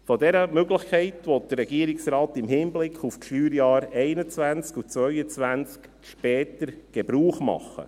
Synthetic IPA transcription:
fɔdɛɾəmøɡlɪχkʰɛɪtʋɔt̚d̥ərːɛɡiəɾɪksɾɑːtɪmhɪnblɪkʰufʃyːɾjɑːɾɛɪnət͡sʋænt͡skut͡sʋœʏət͡sʋænt͡sk | ʃpɛːtəɾɡ̥ɛbɾuːχmɑ̰χːə̰

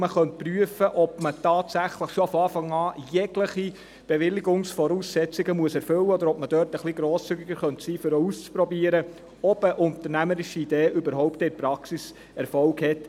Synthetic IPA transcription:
məχœnt̚pryəfəʔɔbmətɑːt̪sæχləχʃofɔɑːfɑŋɑːjɛɡləχi | b̥eʋɪlɪɡʊŋsfɔɾuːsːɛt͡sɪɡəmuəsɛɾfɵlːəɔd̪əɾɔpməd̥œːrtəχliɡɾoːst͡syɡɪɡ̥əɾχœntsiːfʏɾɔust͡spɾɔbiːəɾə | ɔbəʔʊnt̪əɾnæməɾɪʃiid̥eːʔøbəɾɦɔʊpt̪ɛɪɾpɾɑksis | ɛɾfɔlɡhɛt

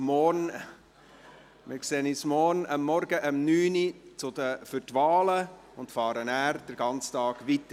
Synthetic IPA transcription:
mɔɾn | mɪkseːnismɔɾnəmːɔɾɡəʔəmnyːnit͡sʊdəfʏɾtvɑːlə | ʊntfɑːɾənæːɾd̥əɾɡɑnt͡stɑːɡ̥ʋit̪ə

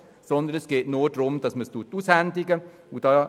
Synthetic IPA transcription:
sɔnd̪ənɛsɡ̥eːtnuːɾd̥ɾʊmd̥ɑsməstuətuːshændiɡə | ud̥ɑː

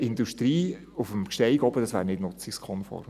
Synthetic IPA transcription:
ɪnduʃtɾiː | ufəmkʃtɛɪɡɔbəd̥ɑsʋæ̰ːɾnɪdnʊt͡sikskʰɔnfɔ̰ɾ

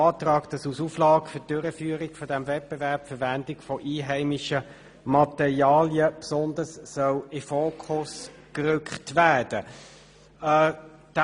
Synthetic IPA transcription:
ɑːtʁɑːkd̥ɑsusuːflɑːɡfʏtd̥øɾəfyːəʁɪkfɔdæmvɛt̚b̥evæɐpfəɐvændɪkfɔʔiːɦæɪmɪʃə | mɑt̪ɛʁiɑːljəpsɔndəssœwɪfoːkʰχʊs | kʁʏkχtvæːd̥ə | d̥

